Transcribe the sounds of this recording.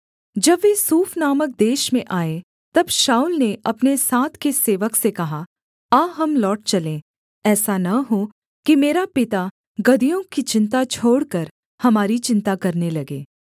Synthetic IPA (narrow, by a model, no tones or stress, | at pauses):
d͡ʒɐbʋesuːfnaːmək̚d̪eːʃmẽʔaːe | t̪ɐbʃaːulneʔɐpnesaːt̪ʰkeseːʋəksekɐɦa | aːɦɐmlɔːʈ̚t͡ʃɐlẽː | ɛːsanɐɦo | kimeːɾapɪt̪a | ɡɐd̪ijõkit͡ʃɪ̃nt̪at͡ʃʰoːɽkɐɾ | hɐmaːɾit͡ʃɪ̃nt̪akɐɾnelɐɡeː